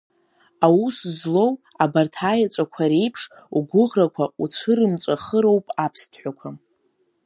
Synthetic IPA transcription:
awuszlo̞w | abartʰaːjat͡sʷʼakʷʰaɾejpʰʂ | uɡʷʊʁrakʷʰaut͡sʷʰɨɾɨmt͡sʷʼaχəɾo̞wpʼapʰstʰʼħʷᶣakʷʰa

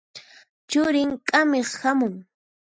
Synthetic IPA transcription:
t͡ʃʊɾɪŋkʼameχhamʊŋ

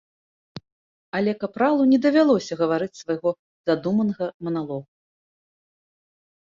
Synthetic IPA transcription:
ɐlʲɛkapɾalˠunʲɛd̪ɐvʲalˠɔsʲɐɣɐvaɾɨt͡sʲsvajɣɔ | zad̪umɐnɐɣɐmɐnalˠɔɣu

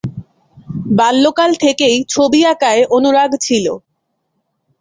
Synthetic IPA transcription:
balːokalt̪ʰekejt͡ɕʰobiakaeʔonuɾaɡt͡ɕʰilo

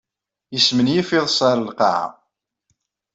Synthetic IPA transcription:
jəsmənjifɪðˤəsˤɑɾəlqɑ̰ʕa̰

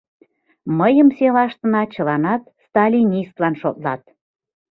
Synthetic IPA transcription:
məjəmselɑʃt̪ənɑt͡ɕəlɑnɑt̪st̪ɑlʲinʲist̪lɑnʃot̪lɑ̰t̪̚

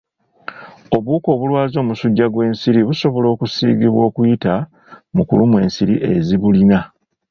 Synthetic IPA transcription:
o̞βuːko̞ːβulwaːzo̞ːmusuɟːaɡwe̞ːnsiɾiβuso̞βo̞lo̞ːkusḭːɡiβwo̞ːkujita | mukṵlumwe̞ːnsiɾiʔe̞ziβulina

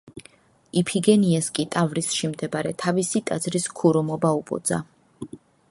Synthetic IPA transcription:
ipʰiɡɛniɛskʼit̪ʼavɾisʃimd̪ɛbaɾɛt̪ʰavisit̪ʼad̪zɾiskʰuɾɔmɔbaupʼɔ̰d̪za̰

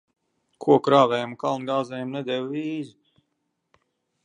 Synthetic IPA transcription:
kʰuɔkɾaːvɛjmukalˠnɡaːzɛjmnɛd̪ɛwiːzu

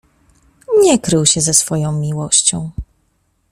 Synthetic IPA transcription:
ɲɛkɾɘwɕɛzɛsfɔjɔ̃w̃mʲiwɔɕt͡ɕɔ̰̃w̃

